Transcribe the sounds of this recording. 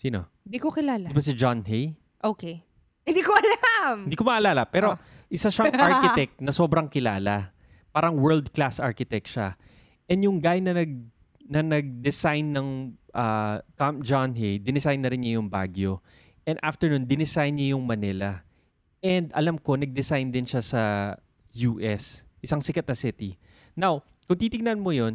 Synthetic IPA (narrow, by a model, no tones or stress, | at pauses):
siːno̞̰ | nd̪ikokɪlaːld̪ibɐsɪd͡ʒanɦej | ʔoːke | hɪ̃nd̪iːkoʔɐlamɪnd̪iːkomɐʔɐlaːlɐpɛːɾoʔɪsaʃɐŋaɹkɪt̪ɛk̚t̪̚nɐso̞ːbɾɐŋkɪla̰ːlɐ | paːɾɐŋwɛɹld̪̚klasʔa̰ɹkɪt̪ɛk̚ʃa | ʔɛnjʊŋɡaːjɪnːɐnɐɡ̚ | nɐnɐɡ̚d̪ɛsajnːɐŋʔɐkampd͡ʒanɦɛjd̪ɪnɪsajnːɐɾɪnɲɐjʊŋbaːɡjo̞ | ʔɛnd̪ʔa̰ft̪ɛɹnund̪ɪnɪsajnɲɐjʊŋmɐnɪlɐ | ʔɛnd̪ɐ̰lamko̞nɐɡ̚d̪ɛsajnd̪ɪnʃasɐ | juːʔɛsʔɪsaŋsɪkɐt̪̚nɐsɪt̪i | naw | kʊŋt̪iːt̪ɪɡnɐnmojo̞n